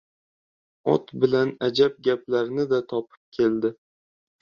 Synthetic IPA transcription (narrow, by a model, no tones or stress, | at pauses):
ɒ̰t̪bɪlanad͡ʒab̚ɡʲaplaɾnɪd̪at̪ʰɒpʰɪ̥p̚kʲʰe̞ld̪ɪ